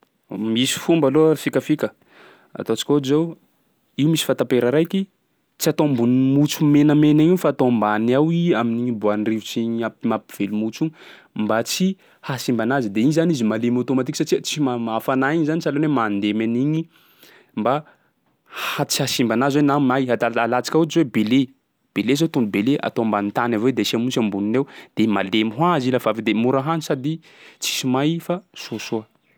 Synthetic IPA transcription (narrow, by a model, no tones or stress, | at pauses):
misi̥fumbalofikəfikə | a̰t̪ot͡si̥kʲozew | iwmisi̥fant̪apeɾəɾajkʲi | t͡siat̪ombunimut͡sumenəmeniɲifat̪ombanawiaminiɲibuanrivut͡siɲapmapi̥v̥elumut͡ʃu | mbat͡si | hasimbanazid̪eizanizimalimot̪omat̪ikʲsat͡ʃiət͡simamafanaiɲizanit͡salonemand̪emaniɲi | mba | hat͡sihasimbanazwenamajad̪alat͡si̥kʲauwebele | b̥elezot̪und̪ubelea̰t̪ombant̪anaved̪esiamunt͡ʃambuninewd̪̥emalemiɦwazilavavid̪emuɾaɦanisad̪i | t͡si̥simajfasosoə